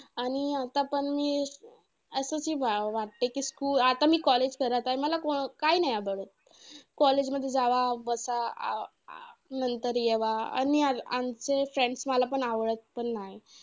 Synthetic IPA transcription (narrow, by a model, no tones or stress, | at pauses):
aɽ̃iat̪apəɳmiː | əsəsiːʋʋaʈ̚t̪ekiːskuːlat̪amiːkɔled͡ʑkəɾət̪ajməlakokainajabəɭət̪̚ | kɔled͡ʑməd̪ʱːjed͡zaʋabəsa̰ | nənt̪əɾjeʋaa̰niaa̰mt͡sefɾẽɳɖsməlapəɳaʋɭət̪̚pəɳːaɦj